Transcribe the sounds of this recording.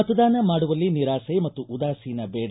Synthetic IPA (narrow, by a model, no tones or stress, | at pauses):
ɐt̪ɐd̪aːnɐmaːɽuʋɐlːiniɾaːsɐjmɐt̪ːuʔud̪aːsijnɐbɛːɽ